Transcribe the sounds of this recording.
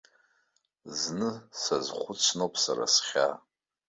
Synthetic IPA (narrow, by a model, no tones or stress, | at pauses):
znɨsazχʷʊt͡sʰnopʰʼsa̰ra̰sχʲa